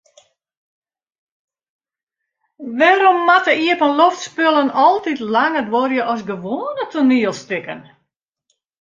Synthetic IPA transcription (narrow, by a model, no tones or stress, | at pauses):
ʋɛɾomːatəiəpənloftspølˠənɔlˠtitlaŋədworjəʔɔs̬ɡəʋoːənətʰuniəlˠstɪkə̰n